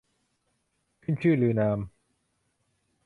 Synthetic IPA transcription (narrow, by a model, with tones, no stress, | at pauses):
kʰɯ˥˩nt͡ɕʰɯː˥˩lɯː˧naː˧m